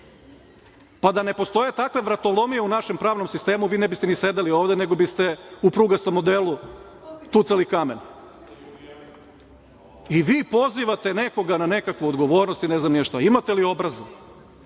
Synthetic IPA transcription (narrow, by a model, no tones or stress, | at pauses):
pad̪anepo̞st̪o̞je̞t̪akʋe̞ʋɾat̪olˠo̞mije̞unaʃe̞mpɾaːʋnomsist̪e̞ːmuʋiːnebist̪enise̞d̪elio̞ːʋd̪ene̞ɡo̞bist̪e̞upɾuɡast̪omod̪elˠu | t̪ut̪salikame̞n | iʋiːpo̞ziʋat̪ene̞ko̞ɡanane̞kakʋuod̪ɡo̞ʋo̞ːɾnost̪ineznamnieʃt̪aimat̪elio̞bɾaze